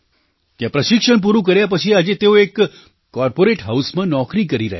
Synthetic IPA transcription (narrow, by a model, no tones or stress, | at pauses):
k̪jãpɾɐʃɪkʂəɽ̃p̬uɾuk̬ɐɾjap̬ɐt͡ʃʰiɐd͡ʒet̪eoeːkː | ɔːɾpoːɾeːʈɦaʊsmẽnɔːkɾikɐɾiɾɐ̰ɦe